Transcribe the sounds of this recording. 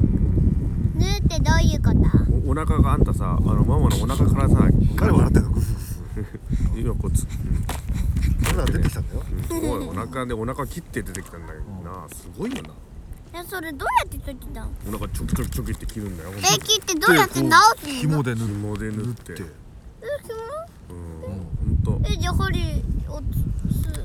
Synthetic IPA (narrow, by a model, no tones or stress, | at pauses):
nɨt̪ːe̞d̪ajɯkat̪aoonakaɡaːt̪ːasa̰a̰nomamanoonakakaɾasaḭkaɾeβanat̪ːenakɯo | ijakot͡sɨ̥ | kanad̪eekʲit̪anajoɯ̃koonakad̪eo̞nakakʲit̪ːed̪e̞t̪e̞kʲi̥t̪ãnd̪a̰inasɨɡo̞ijona | jasoɾe̞d̪oːjat̪ːet̪okʲi̥t̪ãonakat͡ɕokɯ̟̥t͡ɕokɯ̥t͡ɕokɯ̟it̪ːe̞kʲiɾɯ̟̃nd̪ajoekʲit̪ːed̪oːjat̪ːenaot̪ːekimod̪enɯmod̪enɯɯt̪ːeːe | kʲimo | ɯ̃ːhõnt̪oed͡ʑahoɾʲioɨ